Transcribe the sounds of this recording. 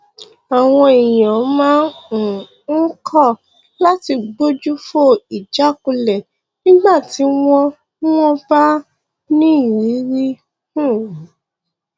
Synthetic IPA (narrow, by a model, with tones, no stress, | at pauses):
a˨w̃ɔ̃˧e˨jã˨˦mãː˦n̩˨ | ŋ̩˦kʰɔ˦˨ | la˦ti˧ɡ͡bo˦d͡ʒu˦fo˦˨i˨d͡ʒa˨˦ku˧lɛ˨ | nĩ˦ɡ͡ba˦˨ti˧˦w̃ɔ̃˧˦ | wɔ̃˦ba˦ | nĩ˦˨jĩ˨˦ɾi˦ | ũ˦˨˦